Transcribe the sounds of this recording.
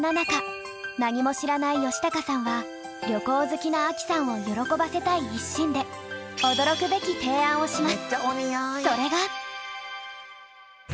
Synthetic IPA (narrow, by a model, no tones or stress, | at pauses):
nanaka | naɲ̟imo̞ɕiɾanaijo̞ɕi̥t̪akasãɰ̃βa | ɾʲjo̞ko̞ːzɨkʲinaːkʲi̥sãɰ̃o̞jo̞ɾo̞ko̞base̞t̪aiːɕːĩnd̪e̞o̞d̪o̞ɾo̞kɯ̟be̞kʲit̪e̞ːãɰ̃o̞ɕimasɨ̥iso̞ɾe̞ɡa